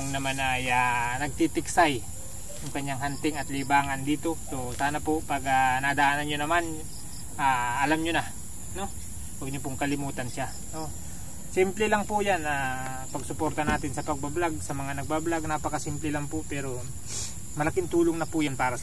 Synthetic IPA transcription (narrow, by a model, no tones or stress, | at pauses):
ŋnɐmanʔajanɐɡ̚t̪it̪ɪksaj | jʊŋkɐɲːaŋɦant̪ɪŋɐt̪libaːŋɐnd̪iːt̪o̞so̞saːnɐpoʔpɐɡanad̪ɐʔaːnɐnɲonɐman | ʔaːʔɐlamɲona | no̞ | wɐɡ̚ɲopoŋkɐlɪmuːt̪ɐnʃa | no | sɪmplɛlaŋpʊjana | pɐɡsʊpo̞ɾt̪ɐnaːt̪ɪnsɐpɐɡ̚bablaɡ̚sɐmɐŋanɐɡ̚bablaɡ̚naːpɐkɐsɪmplɛlaŋpoʔpɛːɾo̞ | mɐlɐkɪnt̪uːloŋnɐpʊjanpaːɾɐ